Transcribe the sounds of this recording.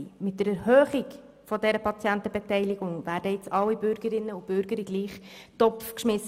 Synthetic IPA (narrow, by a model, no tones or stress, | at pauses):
mɪt̚d̥əɾɛɾhœːχɪk | fɔdɛɾəpʰɑt͡sjæntəbetɛɪlɪɡ̥ʊŋvæːɾdəjɪt͡sɑlːibʏɾɡəɾɪnːəub̥ʏɾɡ̥əɾiɡliːχtɔpfkʃmɪs